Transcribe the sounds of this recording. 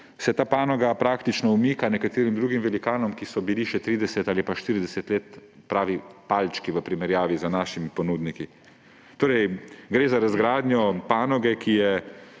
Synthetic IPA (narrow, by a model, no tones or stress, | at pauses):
sɛt̪aːpaːnɔɡapɾaːkt̪it͡ʃnɔumiːkanɛkat̪iːɾimd̪ɾuːɡimʋɛlikaːnɔmkisɔbiliʃɛt̪ɾiːd̪ɛsɛt̪aːlipaʃt̪iːɾid̪ɛsɛt̪leːt̪ | pɾaːʋipalt͡ʃkiʋəpɾimɛɾjaːʋizanaːʃimipɔnuːd̪niki | t̪oːɾɛjɡɾeːzaɾazɡɾaːd̪njɔpaːnɔɡɛkʰijɛ